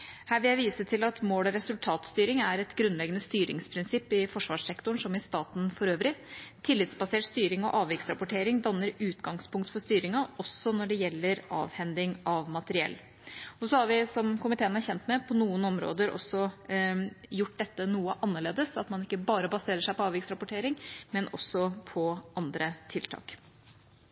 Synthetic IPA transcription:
hæːɾʋɪljæɪʋiːsət̪ʰɪlɑt̪moːlɔɾɛsʉlt̪ʰɑːt̪st̪yːɾɪŋæɾɛt̪ɡɾʉnlɛɡənəst̪yːɾɪ̰ŋspʰɾɪnsɪpːɪfɔʂʋɑːʂɛkt̪ʊɳʂɔmɪst̪ɑːt̪n̩fɔɾøːʋɾɪt̪ʰɪlːɪt̪sbɑseːʈst̪yːɾɪŋɔ̰ʔɑːʋɪksɾɑpʊʈʰeːɾɪŋd̪ɑnːəɾʉːt̪ɡɑŋspʰʊŋkt̪fɔst̪yːɾɪŋɑɔsːɔnɔɖɛjɛlːəɾɑ̰ːʋhɛnd̪ɪŋɑʋmɑt̪əɾɪɛ̰lː | ɔsɔhɑɾʋɪsɔmkʊmɪt̪ʰeːənhɑɾçɛnt̪mɛpʰɔnuːənɔmɾo̰ːd̪əɾʔɔ̰sːɔ | jʊʈ̚ːd̪ɛt̪ːənuːəʔɑnːəɭeːd̪əsɑt̪mɑnɪkːəbɑːɾəbɑseːɾəʂæɪpɔɑːʋɪksɾɑpʊʈʰeːɾɪŋmɛnʔɔ̰sːɔpʰɔɑnd̪ɾət̪ʰɪlt̪ʰɑ̰ːk

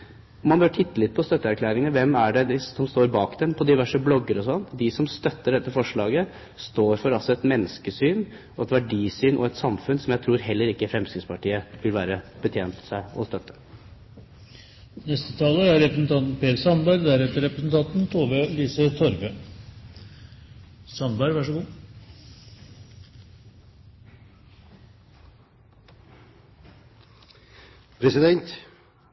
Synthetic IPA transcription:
ɔmɑnbøʈʰɪt̪ʰːəlɪt̪̚ːpʰɔst̪œt̪ːəæɾkʰlæːɾɪŋəəʋɛmːæɖɛd̪ɪɔmst̪oːɾbɑːkd̪ɛnpʰɔd̪ɪʋæʂəblɔɡːəɾɔsɔnːd̪ɪsɔmst̪œt̪ːəɖɛt̪ːəfɔʂɭɑːɡə | st̪oːɾfɔɾɑlsɔɛt̪mɛnːəskəsyːn | ɔɛt̪ʋæɖiːsyːnʔɔ̰ɛt̪sɑmfʉnsɔmjæɪt̪ʰɾuːɾɦɛlːəɾɪkːəfɾɛmsyːnspʰɑʈiːəʋɪlʋæːɾəb̥ət̪ʰjeːnt̪sæɪɔ̰st̪œt̪ːə̥ | nɛst̪ət̪ʰɑːləæɾɛpɾəsn̩t̪ʰɑnt̪n̩peːɾsɑnbɑɾɡd̪æɾɛt̪əɾɛpɾəsn̩t̪ʰɑnt̪n̩t̪ʰoːʋeliːsət̪ʰɔɾbe | sɑnbɑɾɡʋæʂəɡuː | pʰɾɛsɪd̪ɛnt̪

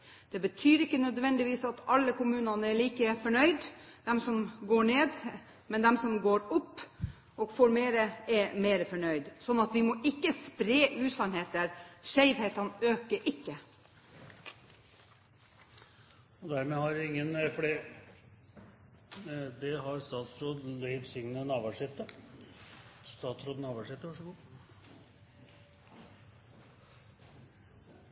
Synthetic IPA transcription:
d̪̥ɛbət̪ʰyːɾɪkːənœd̪ʋɛnd̪ɪʋiːsɑt̪ɑlːəkʊmʉːnɑnəɛɭiːkəfɔɳœʏd̪d̪̥ɛmsɔmɡoːɳeːd̪ | mɛnd̪ɛmsɔmɡoːɾʊpː | ʔɔɡfoːɾmeːɾəɛmeːɾəfɔɳœʏd̪sɔnːɑt̪ʋɪmɔʔɪkːəspɾeːʔʉːsɑnheːt̪əɾʂæɪʋheːt̪ɑnəøːkəɾʔɪkːə | ɔd̪æɾmɛhɑɾɪŋːənfɔɖiː | d̪ɛɦɑɾst̪ɑːt̪sɾoːlœʏʋsɪŋnənɑːʋæʂɪt̪ːə | st̪ɑːt̪sɾoːd̪nɑːʋæʂɪt̪ːəʋɑʂəɡuː

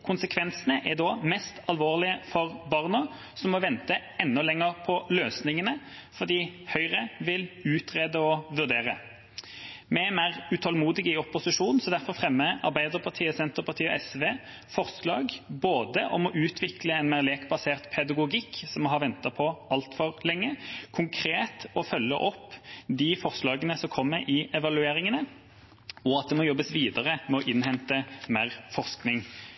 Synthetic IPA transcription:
kʰʊnsəkʰʋɛnsənəʔɛd̪oːmɛst̪ɑlʋoːʁlɪəfɔʁbɑʁnɑ | sɔmːɔʋɛnt̪əɛnːɔlɛŋəʁpʰɔløːsnɪŋənə | fɔʁd̪iːhœʏʁəʋɪlʉːt̪ʰʁeːd̪əɔʋʉʁd̪eːʁə̰ | mɛmæɪʁʉt̪ʰɔlmuːd̪ɪɡəɪɔpʊsɪʂuːn̩sɔd̪æʁfɔʁfʁɛmːəɑ̰ʁbæɪd̪əʁpʰɑʁt̪ʰiːəsɛnt̪əʁpʰɑʁt̪ʰiːɔʔɛsʋeː | fɔʁslɑːɡboːd̪əʔɔmɔʔʉːt̪ʰʋɪkləɛnmæʁleːkbɑseːʁt̪pʰɛd̪ɑɡʊɡɪkːsɔmːɔɦɑɾʋɛnt̪ɑpʰɔʔɑlt̪fɔʁlɛŋːəkʰʊŋkʰɾeːt̪ɔfœlːə̰ʔɔpːd̪ifɔʁslɑːɡənəsɔmkʰɔmːəɾʔɪɛʋɑlʉeːɾɪŋənə | ɔɑt̪̚d̪ɛmɔjɔbːəsʋiːd̪əʁəmɛɔʔɪnhɛnt̪əmeːʁfɔʁsknɪŋ

